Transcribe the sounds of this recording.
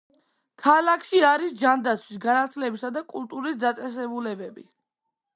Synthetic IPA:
kʰalakʰʃiaɾisd͡ʒand̪at̪sʰwisɡanat̪ʰlɛbisad̪akʼulˠt̪ʼuɾisd̪at̪sʼɛs̬ɛbulɛbɛbi

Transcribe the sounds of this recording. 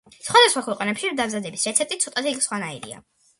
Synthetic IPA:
sχwad̪asχwakʰwɛqʼanɛpʃiɾd̪amzad̪ɛbisɾɛt̪sʰɛt̪ʼit̪t̪sʰɔt̪ʼat̪ʰiɡsχwanaiɾḭa̰

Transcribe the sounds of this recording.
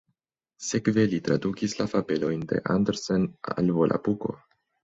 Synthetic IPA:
se̞kve̞litɾadukislafabe̞lo̞jnde̞̰ʔandeɾsenalvolʔa̰puko̞̰

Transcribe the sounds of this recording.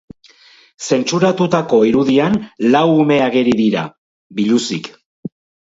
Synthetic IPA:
se̞nt͡suɾat̪ut̪ako̞iɾuðianlawume̞aɣe̞ɾiðiɾa̰ | βiʎusik

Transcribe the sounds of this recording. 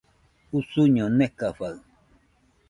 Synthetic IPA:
usuɲõnekaɸaɯ

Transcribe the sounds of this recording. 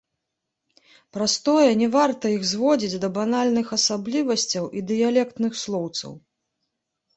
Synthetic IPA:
pɾast̪ɔjɛnʲɛvart̪ɐjiɣzvɔd͡zʲid͡zʲd̪ɐbanalʲnɨxɐsablʲivɐsʲt͡sʲɐwʔid̪ɨjalʲɛkt̪nɨxslˠɔwt̪sɐ̰w

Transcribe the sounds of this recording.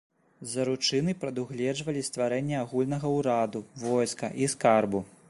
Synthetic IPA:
zɐɾut͡ʂɨnɨpɾɐd̪uɣlʲɛʐvɐlʲist̪vaɾɛnʲːɛaɣulʲnɐɣɐwɾad̪uvɔjskɐ̰ʔiskarbu

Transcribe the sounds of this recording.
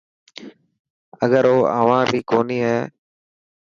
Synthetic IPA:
əɡəɾoːəʋãːbʱiːkoːniːɦɛː

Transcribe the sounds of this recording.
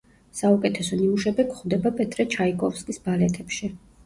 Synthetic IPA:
saukʼɛt̪ʰɛsɔnimuʃɛbɛkʰχvd̪ɛbapʼɛt̪ʼɾɛt͡ʃʰaikʼɔfskʼisbalɛt̪ʰɛpʃi

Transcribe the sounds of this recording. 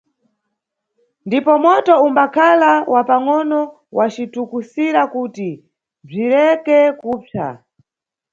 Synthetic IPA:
ndipɔmɔtɔumbakʰalawʔapaŋɔnɔ | wat͡ʃitukusiɾakuti | b͡ʐiɾɛkɛkuːpʰa̰

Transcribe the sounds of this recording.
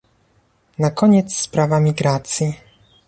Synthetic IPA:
nakɔɲɛt̪sːpɾavamʲiɡɾat̪sʲji

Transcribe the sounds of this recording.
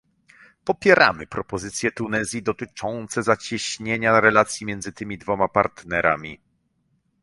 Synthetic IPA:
pɔpʲjɛɾʔa̰mɘpɾɔpɔzɘt̪sʲjɛt̪unɛzʲjid̪ɔt̪ɘt͡ʂɔnt̪sɛzat͡ɕiɕɲeɲaɾɛlat̪sʲjimʲjɛndzɘt̪ɘmʲid̪vɔmapaɾt̪nɛɾʔa̰mʲi

